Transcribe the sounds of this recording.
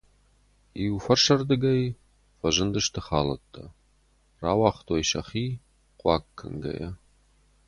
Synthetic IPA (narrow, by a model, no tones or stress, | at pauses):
iufɐrʂɐrd̪ɨɡɐj | fɐʒɨndɨʃtʰɨχaːlɐtʰʼːɐ | raːwɑːχtʰʼojʃɐχiː | qʷʼɑːkʰːɨ̰ŋɡɐ̰jɐ